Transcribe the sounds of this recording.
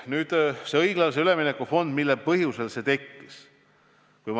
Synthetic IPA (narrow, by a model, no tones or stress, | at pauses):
nyːd̪̥se̞ɤjɡ̥lɑls̬eyle̞minekːˑufo̞nd̪̥milːepɤɦjuse̞lse̞t̪e̞kːis | kujm